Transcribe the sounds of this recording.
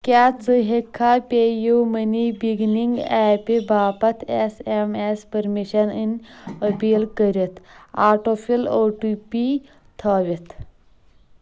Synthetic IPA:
kat͡səɦekʰːapʲejumənibiɡniŋɡɛpebʱaːpɐt̪ʰesemespəɾmiɕəninəpilkəɾet̪aːɾʈofiloʈupi | t̪ʰaʋit̪

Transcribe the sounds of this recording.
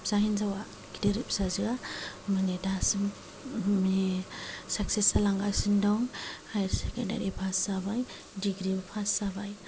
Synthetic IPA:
z̥aɦinzawa | ɡideɾip̚sazɯamanedasɯm | mi | sak̚sesalaŋɡasindɔŋhajɾsekanda̰ɾipʰasabaj | diɡɾibpʰasabaj

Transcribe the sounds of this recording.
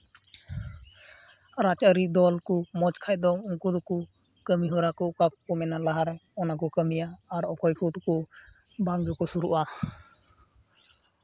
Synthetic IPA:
ɾat͡ʃəɾid̪ɔlkumɔt͡ʃkʰaj̚d̪ɔuŋkud̪ɔku | kəmiɦɔɾakɔʔkakɔ̥kɔmɛnalaɦaɾajɔnakɔkəmijaːɾɔkʰɔjkʰɔt̪ukɔ | baŋd͡ʒɔkɔsuɾuʔa

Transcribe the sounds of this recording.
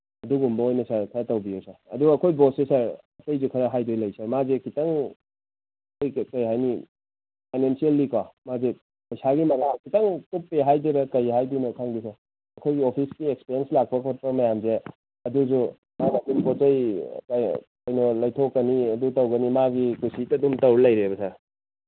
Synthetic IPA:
ɐduɡumbɐojnɐsaɾkʰatɐwbijowsaɾɐ̰duɡːkʰojbosesaɾɐkɐjzukʰɐɾaɦajdojlɐjsaɾmazekitaŋ | kojkɐjɦajni | pʰajnensielːikamaze | pɐjsaɡimɐlakitɐŋtupːeɦajdiɾɐkɐjɦajdinɔkʰaŋdis̬a | ɐkʰojɡiopʰisɡiek̚spiɾienslak̚pɐkʰot̚pɐmɐjamze | ɐduzu | maɡadumpɔtɐjkakɐjnɔlɐjtʰokːɐniɐdutɐwɡɐnimaɡikusitɐdumtɐwɾlɐjɾebɐsaɾ

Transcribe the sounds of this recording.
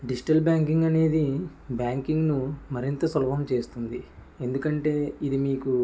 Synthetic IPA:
ɖid͡ʒi̥ʈɐlbjaːŋkiŋɡɐne̞ːd̪i | bjaːŋkiŋɡnumɐɾint̪ɐsɐlɐbɐmt͡ʃe̞ːst̪und̪i | e̞nd̪ukɐɳʈe̞ːid̪imiːku

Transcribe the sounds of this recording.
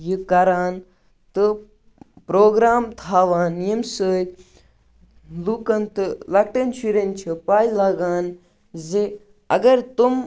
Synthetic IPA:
jɨkɐɾaːn | t̪ɨ | pɾoːɡɾaːmt̪ʰaːʋaːnjemsəːj | lukɐnt̪ɨlɐkʈɐnt͡ʃʰiɾɐnʲt͡ʃʰɐpaːjlɐɡaːn | zi | ɐ̰ɡɐɾt̪um

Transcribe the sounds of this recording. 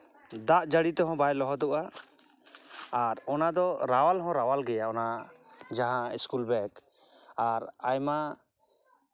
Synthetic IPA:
d̪aʔd͡ʒaɽit̪ɔɦɔ̃bajlɔɦɔd̪ɔʔa | ɾɔnad̪ɔɾawalɦɔ̃ɾawalɡɛjaɔna | d͡ʒaɦãiskulbɛk | aɾajma

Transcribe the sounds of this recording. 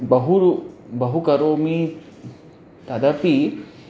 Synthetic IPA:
bɐɦubɐɦukɐɾoːmi | t̪ɐd̪ɐpi

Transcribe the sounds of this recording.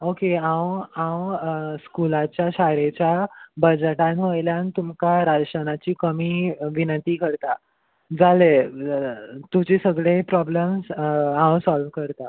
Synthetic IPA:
okeãwãwskulat͡ɕjaɕaɾet͡ɕjabəd͡ʑʈãnʋəjljanit̪umkaɾad͡zʂənat͡ɕiːkəmiːʋinənt̪iːkəɾt̪a | d͡zale | t̪ud͡ʑisəɡɭepɾɔbləmsãwsɔlʋkəɾt̪a

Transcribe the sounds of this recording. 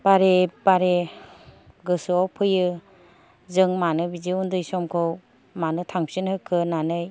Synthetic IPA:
b̥aɾebaɾe | ɡɯsɯɔpʰɯjɯ | zɯŋmanɯbiziundɯjsɔmkʰɯw | manɯtʰaŋpsinhɯkʰɯnanɯj

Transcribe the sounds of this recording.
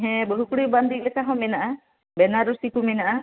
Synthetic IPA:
ɦɛ̃bəɦukuɽiband̪ilɛkaɦɔ̃minaʔa | bɛnaɾusikuminaʔa

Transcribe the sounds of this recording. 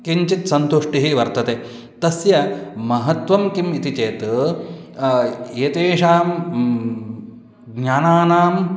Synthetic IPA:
kiɲt͡ʃit̪sɐnt̪uʂʈiɦiʋɐɾt̪ɐt̪eː | t̪ɐsjɐmɐɦɐt̪ʋɐmkimit̪it͡ʃeːt̪ | eːt̪eːʂaːm | ɡɲaːnaːnaːm

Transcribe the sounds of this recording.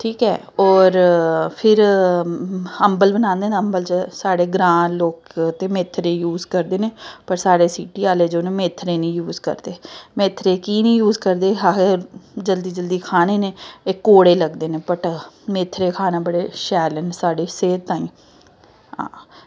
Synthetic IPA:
ʈʰiːkɛ̰ː | ɔːɾpʰɪɾ | əmbəlbənãːnd̪eːneəmbəlt͡ʃəsaːɽeːɡɾãːloːkt̪eːmeːt̪ʰːɾeːjuːzkəɾd̪eːneːpəɾsaːɽeːsiːʈiːaːleːd͡ʒoːnẽːmeːt̪ʰːɾeːnĩːjuːzkə̰ɾd̪eːmeːt̪ʰɾeːkiːnĩːjuːzkəɾd̪eːɦaed͡ʒəld̪iːd͡ʒəld̪iːkʰaːneːneːɪkːoːɽeːləɡd̪eːneːpəʈmeːt̪ʰɾeːkʰaːnãːbəɽeːʃɛːlɛːnːsaːɽeːseːɾt̪ãːĩː | ɦã̰ː

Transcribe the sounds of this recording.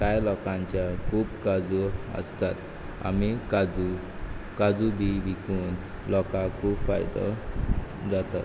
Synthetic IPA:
kajlɔkãɲt͡ɕjakʰuːpkad͡zuə̰st̪at̪ | a̰mikad͡zu | kad͡zubiʋikuːn | lɔkakʰuːpfa̰jd̪ə̰ | d͡zat̪at̪

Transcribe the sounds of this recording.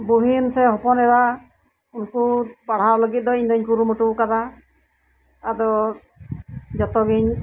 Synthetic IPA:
buɦinsɛɦɔpɔnɛɾa | unkupaɽ̤aɾlɔɡit̪̚d̪ɔiɲd̪ɔɲkuɾumuʈukad̪a | d̪ɔ | d͡ʒɔt̪ɔɡiɲ

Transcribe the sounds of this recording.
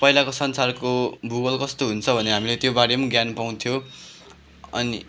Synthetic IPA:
pʌɦilakosʌnsarkobuɡʌlkʌst̪oɦunt͡sʰʌbʱʌneɦamilet̪jobaɽjemʌɡjanpaw̃t̪ʰjo | ʌ̰ni

